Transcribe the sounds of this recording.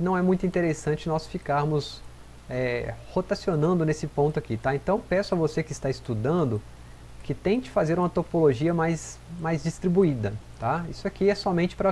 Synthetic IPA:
nɐ̃w̃ɛmũj̃t̪ʊĩt̪eɾesɐ̃nt͡ʃɪnɔsfikaɾmʊs | ɛhot̪asionɐ̃nd̪ʊnesɪpõnt̪ʊakit̪aẽnt̪ɐ̃w̃pɛsʊɐvosekɪst̪aɪst̪ud̪ɐ̃nd̪ʊ | kɪt̪ẽj̃d͡ʒɪ̥fazeɾũmɐt̪opoloʒiɐmajsmajzd͡ʒist̪ɾibuid̪ɐt̪aisʊakiɛsɔmẽnt͡ʃɪ̥pɾɐ

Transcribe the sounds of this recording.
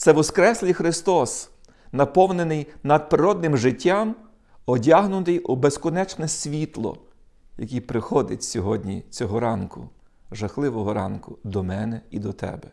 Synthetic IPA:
t̪sɛʋɔskɾɛsʲlʲɪjxɾɪst̪ɔs | nɐpɔwnenɪjnɐd̪̚pɾɪɾɔd̪nɪmʒɪtʲːam | ɔdʲaɦnʊt̪ɪjʊbeskɔnɛt͡ʃnɛsʲʋʲit̪lˠɔ̰ | jɐkʲipɾɪxɔd̪ɪtʲsʲɔɦɔdʲnʲḭt͡sʲɔɦɔɾɑnkʊ̰ | ʒɐxlˠɪʋɔɦɔɾɑnkʊd̪ɔmɛnɛid̪ɔt̪ɛ̰bɛ

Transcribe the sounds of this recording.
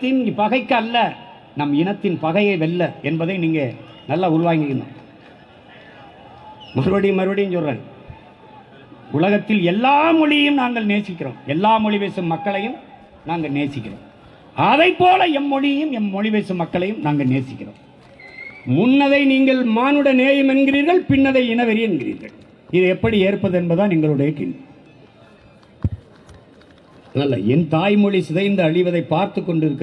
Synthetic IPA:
t̪ːɪnpɐɣɐɪkːɐlːɐ | nɐmɪnɐt̪ːɪnpɐɣɐjɐɪʋɛlːɐɛnbɐðɐɪniːŋɡɐ | nɐlːaːʊɾʊʋaːŋɡɪɣɪnd̪a̰ː | mɐɾɯʋɐɽɪjmɐɾɯʋɐɽɪjɯmt͡ʃɔlrḛː | ʊlɐɣɐt̪ːɪlɛlːaːmɔɻɪjjɯmnaːŋɡɐɭneːsɪkːɪro̰ːmɛlːaːmɔɻɪʋeːsɯmːɐkːɐɭɐjɯm | naːŋɡɐɭneːsɪkːɪro̰ːm | ɐðɐɪpːoːlɐɛmːɔɭɪjɐjɯmɛnmɔɻɪʋeːsɯmːɐkːɐɭɐjɯmnaːŋɡɐɭneːsɪkːɪro̰ːm | mʊnːɐðɐɪniːŋɡɐɭmaːnɯɽɐneːjɐmɛnɡɪriːɾɣɐɭpɪɳːɐðɐɪɛnɐʋɛɾɪjɛnɡɪrḭːɾɣɐ̰ɭ | ɪðɯɛpːɐɽieːɾpːɐðɯɛnbɐðaːniːŋɡɐɭɯɽɐjɐkɪ̰ɳːɐ | nɐlːɐ̰ɛnt̪aːjmɔɭɪsɪðɐɪɪnd̪ɐːɻɪʋɐðɐɪpːaːɾt̪ɯkːɔɳɖɪɾɯkː

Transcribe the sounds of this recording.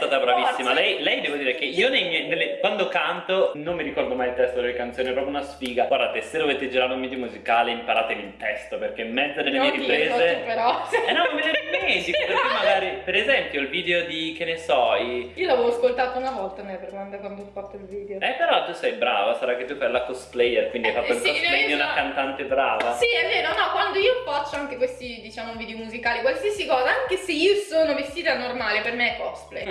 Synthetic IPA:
t̪aːt̪abɾavisːimalɛjlɛjd̪ɛːvod̪iːɾekeioneɲenelːekwand̪okant̪onomːiɾikɔrd̪omajilt̪ɛst̪od̪elːekant̪soːniɛpɾɔp̬jounasfiːɡaoɾat̪esed̪ovovet̪ːed͡ʒiɾaɾeumiːd̪jomuzikaːleimpaɾaːt̪evilt̪ɛst̪operkemːɛnt̪enelːemieɾipɾeːzepeɾɔnːɔimvet͡ʃeɾelement̪ikopeɾk̪emːaɡaːɾipeɾezɛmpjoilviːd̪eod̪ikenːesɔjiːolavɛvoaskolt̪aːt̪ounavɔlt̪anɛpeɾand̪akwand̪oɔfat̪ːoilviːd̪eoɛpːeɾɔt̪ːusɛjbɾa̰ːvasaɾakːet̪ːufajlakost̪plɛjerkwind̪iajfat̪ːoilkoneɲːounakant̪ant̪ebɾa̰ːvasiɛvːeːnonːɔkwand̪oiopat͡ʃːoaŋk̟ekwest̪id̪it͡ʃaːmouvid̪eomuzikaːlikwalsiasikɔːzaaŋkeseiːosoːnovest̪iːt̪anormaːlepermeɛkːɔst̪plḛj

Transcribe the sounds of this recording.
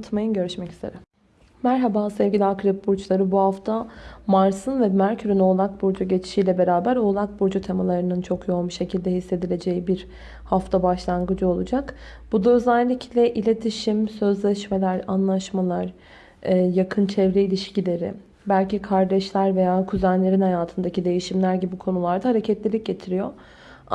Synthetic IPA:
t̪ʰmajɯnɟø̞ɾyʃmɛci̥zeɾɛ | mæɾɦabasɛvɟilʲiakɾɛp̚buɾt͡ʃlˠaɾɯbuhaft̪ʰamaɾsɯnvɛmæɾcʰyɾyno̞ːlˠak̚buɾd͡ʒuɟe̞t͡ʃʰi̥ʃiːjlʲɛbe̞ɾaːbæɾo̞ːlˠak̚buɾd͡ʒut̪ʰe̞malˠaɾɯnɯnt͡ʃʰo̞kʰjo̞buʃecʰilʲd̪ɛɦisːe̞d̪ilʲe̞d͡ʒe̞jibiɾ | haft̪ʰabaʃlˠanɡɯd͡ʒɯo̞lˠud͡ʒak | b̥ud̪aøzælʲːicʰlʲɛʔilʲe̞t̪ʰiʃimsø̞zlʲɛʃme̞lʲæɾa̰nlˠaʃmalˠaɾː | jakʰɯnt͡ʃʰɛvɾɛilʲiʃcilʲe̞ɾɪ̰ | bælʲcikʰaɾd̪ɛʃlʲæɾve̞jaːkʰuzænlʲe̞ɾinhajaːt̪ʰɯnd̪acid̪e̞jiʃimlʲæɾɟibiukʰo̞nulˠaɾd̪ahaɾe̞cʰɛt̪lʲilʲic̚ɟe̞t̪ʰiɾijo

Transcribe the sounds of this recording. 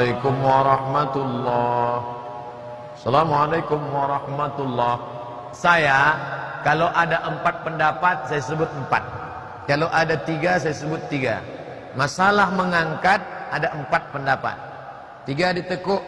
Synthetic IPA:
akʊmwaɾɑhmat̪ulːɑh | salamalajkʊmwaɾɑhmat̪ulːah | sajakaloʔadaʔəmpat̪̚pəndapat̪̚sajasəbʊt̪̚əmpa̰t̪̚ | kalowʔadat̪iɡasajasəbʊt̪ːiɡa̰ | masalahməŋaŋkat̪̚adaəmpat̪̚pəndapa̰t̪̚ː | iɡadit̪əkʊʔ

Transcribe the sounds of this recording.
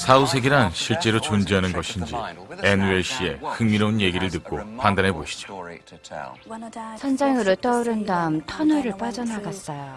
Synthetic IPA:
sʰaus̬ʰe̞ɡiɾanɕʰiɭt͡ɕ͈e̞ɾot͡ɕond͡ʑiɦanɯnɡʌɕʰind͡ʑḭeneɕʰie̞hɯŋmiɾʌunje̞ɡiɾɯɭtɯk̚k͈opandanɦe̞boɕʰi̥d͡ʑo̥ | t͡ɕʰʌnd͡ʑaŋɯɾot͈ʌuɾɯndamtʰʌnʌɾɯɭp͈ad͡ʑʌnaɡas͈ʌjo

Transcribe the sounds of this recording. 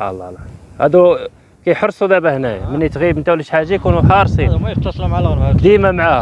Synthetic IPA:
ɑ̰lˤːɑ̰lɑhæd̪u | kæjħəɾˤsˤud̪æbæhnæjmənːit̪ɣiəbmənt̪æwliʃħaʒːajkunuħɑɾˤsˤimæjət̪ːɑsˤlmʕalɣəɾd̪imæmʕah

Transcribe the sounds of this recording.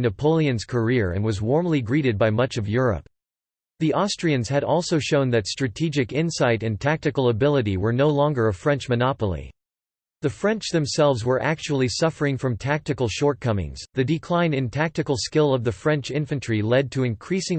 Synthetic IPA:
nɨpʰoʊlˠiɨ̃nz̥kʰə˞ɪɹɨ̰̃nwʌzwɔɹmliɡɹiɾɨd̚baɪmʌt͡ʃʌvjʊɹə̰p̚ | ðiʔɑstɹ̥iɨ̃nz̥ɨɾɔlˠsoʊʃõʊ̃nðɨtstɹ̥ɨtʰid͡ʒɨkɪ̃nsaɪɾɨ̃ntʰæk̚tɨkl̩ˠəbɪlˠəɾiwə˞noʊlɔ̃ŋɡə˞ɨfɹɛ̃nt͡ʃmɨnɑpl̩ˠḭ | ðɨfɹɛ̃nt͡ʃðɨ̃msɛlˠvzwə˞ʔæk̚t͡ʃul̩ˠisʌfə˞ɪ̃ŋfɹʌ̃mtʰæk̚tɨkl̩ˠʃɔɹt̚kʰʌmɪ̰̃ŋz̥ðɨdɨkʰl̥ãɪ̃nɨ̃ntʰæk̚tɨkl̩ˠskɪlˠʌvðɨfɹɛ̃nt͡ʃɪ̃ɱfɨ̃ntt͡ʃʰɹ̥ilɛd̚tʰɨɨ̃nkʰɹ̥isɪ̃ŋ

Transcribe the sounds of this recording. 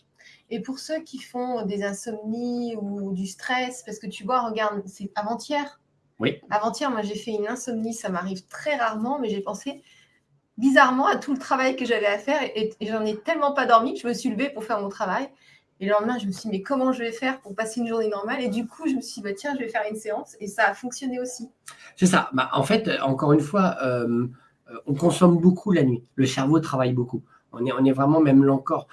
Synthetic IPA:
epuʁsøkʲʰifɔ̃d̪ezɛ̃sɔmniud̪yst̪χɛspaʁsə̥kət̪ybwãʁəɡaʁd̪sɛavɑ̃t̪jɛːʁ | iavɑ̃t̪jɛʁmwaʒefɛynɛ̃sɔmnisamaʁivt̪χɛʁaʁmɑ̃mɛʒepɑ̃se | bizaʁmɑ̃at̪ulət̪χavajkəʒavɛafɛʁeʔeeʒɑ̃nɛt̪ɛlmɑ̃pad̪ɔʁmiʒəməsɥiləvepuʁfɛʁmɔ̃t̪χavaj | elɑ̃mɛ̃ʒəməsɥʲid̪imɛkɔmɑ̃ʒəvɛfɛʁpuʁpaseynʒuʁnenɔʁmaled̪ykʰuʒəməsɥid̪ibat̪jɛ̃ʒəvɛfɛʁynseɑ̃sesaːfɔ̃ksjɔneosi | sɛsabaʔɑ̰̃fɛt̪øɑ̃kɔʁynfwaøm | øɔ̃kɔ̃sɔmbokʰulanɥiləsɛʁvot̪χavajboku | ɔ̰̃nɛɔ̃nɛvʁɛmɑ̃mɛmlɑ̃kɔʁ

